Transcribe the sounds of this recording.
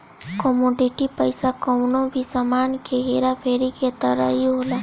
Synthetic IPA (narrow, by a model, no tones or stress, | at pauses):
kɔmoːɖɪʈipəɪsakɔwnõbʱisamaːnkeɦeːɾapʰeːɾiket̪əɾə̰ɦiɦoːlaː